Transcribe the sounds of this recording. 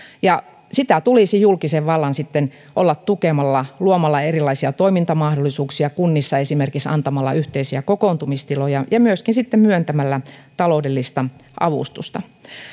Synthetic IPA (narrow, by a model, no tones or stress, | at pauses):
jɑ | sit̪æt̪ulisijulkiseʋʋɑlːɑnsit̪ːen | ʔo̰lːɑt̪t̪ukemɑlːɑluomɑlːɑerilɑisiɑt̪oimint̪ɑmɑhdolːˑisuːksiɑkunːisːɑesimerkiksɑ̰nt̪ɑmɑlːɑ̰yht̪eisiækokoˑnt̪umist̪ilojɑjɑmyøskinsit̪ːemmyønt̪æmælːæt̪ɑloudelːist̪ɑʔɑ̰ʋṵst̪ust̪ɑ